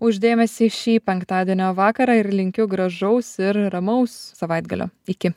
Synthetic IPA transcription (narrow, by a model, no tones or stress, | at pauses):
ʊʒd̪ʲeːmʲɛsʲiːʃʲiːpʲɛŋkt̪ɑːd̪ʲiɛnʲoːʋɑːkɐɾɑːɪɾlʲɪŋʲkʲʊɡɾɐʒɐʊsɪɾɾɐmɐʊssɐʋɐɪd̪ɡɐ̰lʲʔo̰ːɪkʲɪ